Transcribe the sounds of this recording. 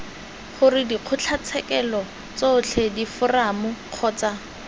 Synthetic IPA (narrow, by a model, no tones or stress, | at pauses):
χʊrɪdiq͡χʰʊt͡ɬʰat͡sʰɛkɛlɔ | t͡sot͡ɬʰɛdifʊramʊq͡χʰɔːt͡sa